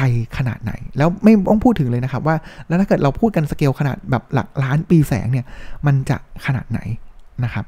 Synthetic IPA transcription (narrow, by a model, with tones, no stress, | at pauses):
kʰa˧jkʰa˧naː˨˩t̪̚na̰˩˦jlɛː˦˥wma˥˩jt̪ɔ˥˩ŋpʰuː˥˩t̪ʰːɯ˩˦ŋlɤː˧jna˦˥kʰa˦˥p̚waː˥˩lɛ˦˥wt̪ʰa˥˩ɤː˨˩t̪̚ɾa˧wpʰuː˥˩t̪̚ka˧nsa˧keː˧wkʰa˧na̰ː˨˩t̪̚bɛː˨˩p̚la̰˨˩k̚laː˦˥npiː˧sɛ̰ː˩˦ŋni˥˩ɐma˧nt͡ɕa̰˨˩kʰa˧na̰ː˨˩t̪̚na̰˩˦jna˦˥kʰa˦˥p̚